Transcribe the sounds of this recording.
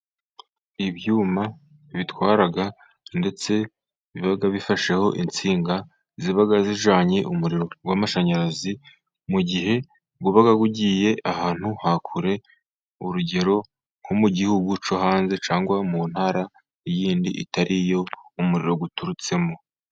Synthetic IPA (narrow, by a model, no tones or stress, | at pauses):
iβjuːma | βitwaːɾaɡa | nde̞t͡se̞ | iβiβaɡaβifaʃe̞ho̞ʔint͡siːŋɡa | ziβaɡaziʒaːɲeʔumuɾiɾo̞ɡwamaʃaɲaɾazi | muɟiɦe̞ | ɡuβaɡaɡuɟiːje̞ʔahaːn̥huhakʰuɾe̞ | uɾuɟe̞ɾo̞ | ŋhomuɟihuɡut͡ʃohaːnze̞t͡ʃaːŋɡwamun̥haːɾa | jiːndḭʔḭtaɾʔijo̞umuɾḭɾo̞ɡutuɾut͡se̞mo̞